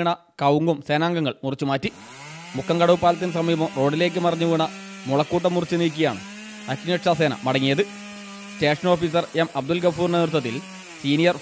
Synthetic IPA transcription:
ɳɐ | kɐwŋɡumseːnaːŋɡɐŋːɐɭmurit͡ɕːumaːtːi | mukʰːɐŋkɐɽɐʋupːaːlɐt̪ːinsɐmɐjɐmɐmro̞ːɖile̞ːk̬ːɨmɐrɐɲːuʋiːɳɐmuɭɐkːuːʈːɐmːurit͡ɕːɨniːk̬ʲːijaːɳɨ̰ | ɐkːɲeʈʂaːse̞ːnɐ̰mɐɽɐŋːijɐðɨ | ste̞ːʂɐno̞ːfiːsɐremɐb̚d̪ulɡɐfuːrneðɾut̪ːɐt̪ːil | siːnijɐr

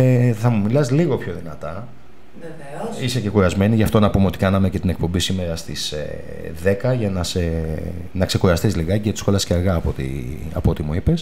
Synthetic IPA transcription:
θɐmumilɐsliɣo̞pço̞ðinɐt̪ɐ | isece̞xuɾɐzme̞niʝɐft̪o̞nɐpumeo̞t̪ikɐnɐme̞ce̞t̪inek̚po̞mbisime̞ɾɐst̪ise | ðe̞kɐʝɐnɐse | nɐkse̞xuɾɐst̪izliɣɐceʝɐt̪i̥sxo̞lɐsceɐɾɣɐːpot̪ḭ | ɐ̰poo̞t̪imuipe̞s

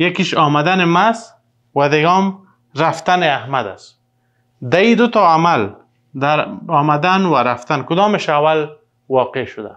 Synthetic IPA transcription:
jakiʃɔmad̪anemas | wad̪ɪɡɔm | ɾaft̪aneahmad̪a̰s | d̪aid̪ʊt̪ɔamal | d̪aɾɔmad̪anwaɾaft̪ankʊd̪ɔmɪʃawal | wɔqeʃʊd̪a̰

